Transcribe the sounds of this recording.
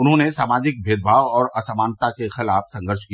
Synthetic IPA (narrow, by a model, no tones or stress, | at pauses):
ʊnɦõnesaːmaːd͡ʒɪk̚bʱeːd̪̚bʱaːʋɔːɾɐsamaːnt̪akexɪlaːfsɐ̃ŋɡəɾʃki